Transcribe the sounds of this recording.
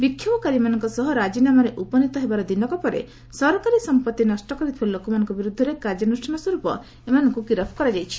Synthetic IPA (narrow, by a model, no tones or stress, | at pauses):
bikʰːjɔbɔkaɾimanɔŋkɔsɔɦɔɾad͡ʒinamɔɾeʔupɔnit̪ɔɦebaɾɔd̪inɔkɔpɔɾḛ | sɔɾɔkaɾisɔmpɔt̪ːinɔsʈɔkɔɾit̪ʰibalokɔmanɔ̃ŋkɔbiɾud̪ʱːɔɾekaɾd͡ʒjɔnusʈʰɔnɔswɔɾupɔ̰ | emanɔŋkukiɾɔpʰɔ̥kɔɾad͡ʒajt͡ʃʰi̥